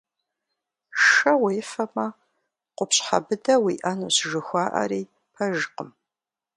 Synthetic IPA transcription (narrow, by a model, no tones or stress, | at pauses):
ʂɐweːfɐmɐ | qʷʊpɕħa̰bɨdɐwiːʔɐnuːɕʒɨxʷaːʔɐ̰ɾiː | pʰɐʒɨqəm